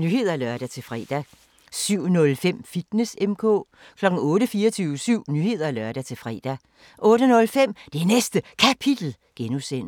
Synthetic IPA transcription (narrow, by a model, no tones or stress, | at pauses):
nyhe̝ð̞ˠɐælɶɐɾ̥æt͡sʰe̝lfʁɛ̰ːd̥æ | syʊ̰nɔ̽lfem̰fid̥nesemkʰɔ̰̽ː | kʰlɒ̽ɡ̥̩ɔ̽ːɾəfiːɐt͡sʰyːʊəsyʊ̰nyhe̝ð̞̰ˠɐælɶɐɾ̥æt͡sʰe̝lfʁɛ̰ːd̥æ | ʔɔ̽ːɾənɔ̽lfem̰d̥enesd̥əkʰæpʰid̥l̩ | ɡ̥enusen̰